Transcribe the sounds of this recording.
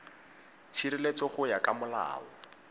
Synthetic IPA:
t͡sʰiɾɪlet͡sɔχʊjakamʊla̰ːɔ

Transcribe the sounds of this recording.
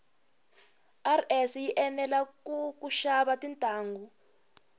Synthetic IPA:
arɛsjiʔɛnɛlakukuʃaβatintʼaːŋɡu

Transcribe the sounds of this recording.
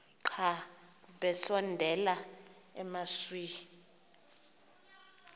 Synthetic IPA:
ǃʰa | ɓɛsɔndʱɛla | ɛmaswi

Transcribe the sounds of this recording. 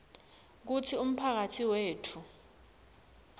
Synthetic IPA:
k̬utʰium̩pʰak̬atʰiweːtʰu

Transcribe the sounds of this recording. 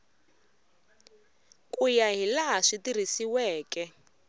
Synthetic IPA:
kʼujaɦilaɦaʂitir̤isiwɛːkɛ

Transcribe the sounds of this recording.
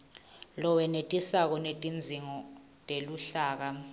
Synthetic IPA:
lɔwɛnetʼisak̬ɔnetʼind͡zʱiŋɔ | tʼeluɬaːk̬a

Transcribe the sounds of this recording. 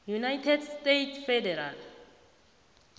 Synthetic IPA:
junajtʰɛdstetʰfɛdɛɾal

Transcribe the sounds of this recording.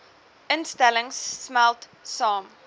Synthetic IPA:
ənstɛləŋsːmælt | sɑːm

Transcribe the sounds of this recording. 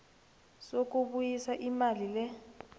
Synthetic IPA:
sok̬uɓujisaʔimalilɛ

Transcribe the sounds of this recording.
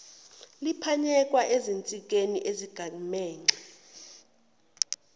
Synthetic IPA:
lipʰaɲɛk̬ʼwaʔezint͡sʼik̬ʼenḭʔeziɡ̥ʱamɛːŋɛ

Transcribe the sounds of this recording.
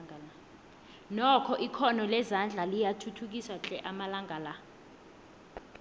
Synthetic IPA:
nɔkʰɔʔikʰɔnɔlɛzand͡ɮʱalijatʰutʰuk̬iswat͡ɬʼɛʔamalaŋɡʱala

